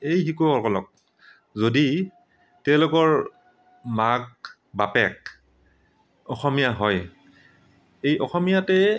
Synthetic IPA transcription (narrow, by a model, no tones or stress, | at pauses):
ejxikukɔkɔlɔk̚ | zodi | tɛʊ̃lʊkɔɹ | maɡ̚ | bapɛk̚ | ɔxɔmijaɦɔj | ejʔɔxɔmijatɛ